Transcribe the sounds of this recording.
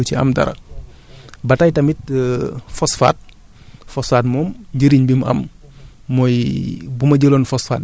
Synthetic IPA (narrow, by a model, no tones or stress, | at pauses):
t͡ʃiɐ̰mdɐ̰ɾɐ̰ | bɐtɐjtɐmit̚ | fɔsfa̰ːt̚ | fɔsfaːtmɔːmɲɟəɾiɲbimɐ̰mː | ɔjbumɐɟəlonfɔsfa̰ːt